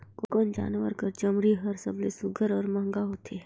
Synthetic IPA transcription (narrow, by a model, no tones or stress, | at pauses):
kokond͡ʒa̰ːnʋə̰ɾkəɾt͡ʃəmɾiɦɐɾsəblesʊɡʱəɾɔːɾmãːŋɡaɦoːt̪ʰe